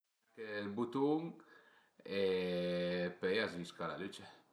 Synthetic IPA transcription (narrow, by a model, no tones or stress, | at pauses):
kelbut̪uŋ | e | pejaziskala̰lyt͡ʃa